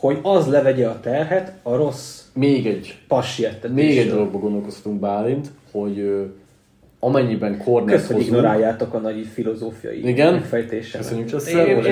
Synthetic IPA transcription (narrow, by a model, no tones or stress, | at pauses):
ho̞ɟɒzlɛvɛɟɛɒt̪ɛrɦɛt̪ɒɾo̞smeːɡɛɟpɒʃːijɛt̪ːɛmeːɡɛɟd̪o̞lo̞ɡ̚bɒɡo̞nd̪olko̞shɒ̥t̪uŋɡ̚baːlint̪ho̞ɟø | ɒmɛɲːibɛŋkʰo̞rnkɛøst̪hooizɡno̞ɾaːjːaːt̪o̞kɒnɒɟifilo̞zoːfijɒ̰jḭiɡɛnɛfɛjt̪eːʃɛøønɲːykt͡ʃɛsɛ